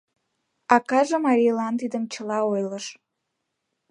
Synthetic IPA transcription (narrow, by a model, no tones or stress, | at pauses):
ɑkɑʒemɑɾʲijlɑnt̪id̪əmt͡ɕəlɑojləʃ